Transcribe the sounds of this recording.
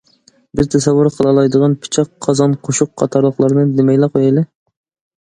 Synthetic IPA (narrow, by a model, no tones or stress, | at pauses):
bɪzt̪ʰɛsɛvːʊɾqʰəlˠɑlˠɑjd̪əʁɑnpʰɪ̥t͡ʃʰɑqʰːɑzɑnqʰoʃʊqːʰɑt̪ʰɑɾlˠəχlˠɑɾnɨnd̪ɪmɛjlæqʰojelˠɪ